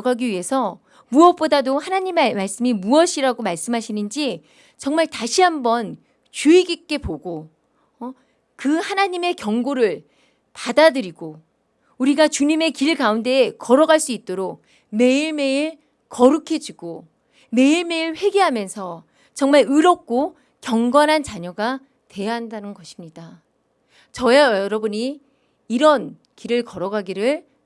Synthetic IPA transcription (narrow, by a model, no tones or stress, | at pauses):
ɡaɡiɥiɦe̞sʰʌ | muʌp̚p͈odadohanaɲimmaɭs͈ɯmimuʌɕʰiɾaɡomaɭs͈ɯmɦaɕʰinɯnd͡ʑi | t͡ɕʌŋmaɭtaɕʰiɦambʌn | t͡ɕuiɡik͈e̞poɡo | kɯhanaɲime̞kjʌŋɡoɾɯɭ | padadɯɾiɡo | uɾiɡat͡ɕuɲime̞kiɭkaunde̞ːkʌɾʌɡaɭs͈uit̚t͈oɾok̚ | me̞iɭme̞iɭ | kʌɾukʰe̞d͡ʑiɡo | me̞iɭme̞iɭɸwe̞ɡeɦamjʌnsʰʌ | t͡ɕʌŋmaɾɯɾʌp̚k͈o | kjʌŋɡʌnɦant͡ɕaɲʌɡa | twe̞jaɦandanɯnɡʌɕʰimɲida | t͡ɕʌjajʌɾʌbuɲiː | ɾʌn | kiɾɯɭkʌɾʌɡaɡiɾɯɭ